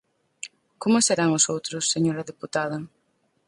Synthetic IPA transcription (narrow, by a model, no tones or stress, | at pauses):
komʊseɾaŋʊsowt̪ɾʊsːeɲoɾɐðeput̪að̞ɐ